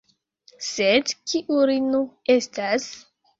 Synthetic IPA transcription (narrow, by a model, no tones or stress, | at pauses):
sedkiʔuɾinue̞stas